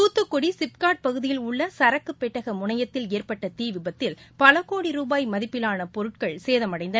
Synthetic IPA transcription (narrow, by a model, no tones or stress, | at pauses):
uːt̪ːɯkːɔɽisɪp̚kaːʈ̚pɐɣɯðɪjɪlʊɭːɐsɐɾɐkːɯpːɛʈːɐɣɐmʊɳɐjɐt̪ːɪleːrpɐʈːɐt̪iːʋɪbɐt̪ːɪlpɐlɐkːoːɽiɾuːbaːjmɐðɪpːɪlaːnɐpɔɾɯʈ̚kɐɭseːðɐmɐɽɐɪnd̪ɐ